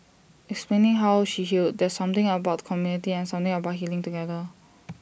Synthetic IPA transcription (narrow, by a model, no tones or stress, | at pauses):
ɛksplẽnɪ̃ŋɦawʃiɦild̚dɛsʌ̃mt̪ɪ̃ŋəbaʊtkʰɔmjunitiɛ̃nsʌ̃mt̪ɪ̃ŋəbat̚ɦilɪ̃ŋtuɡɛðə